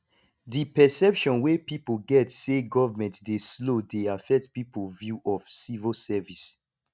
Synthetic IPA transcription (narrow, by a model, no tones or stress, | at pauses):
dipɛsɛpʃɔ̃nwepipolɡɛtseɡɔvamɛ̃ntdeslodeafɛk̚tpipolvjuʔɔfsivəsɛvis